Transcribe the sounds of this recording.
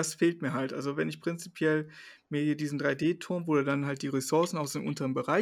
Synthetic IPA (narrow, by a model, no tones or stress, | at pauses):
asfeːlt̚miːɐɦaltʔa̰lzovɛnɪçpʁ̥ɪnt͡sipʰjɛl | miɐhiɐdiːzn̩dʁaɪdeːtʰʊɐmvoːdudanɦalt̚d̥iːʁesʊɐsn̩aʊsenʔʊ̰ntəʁənbəʁaɪ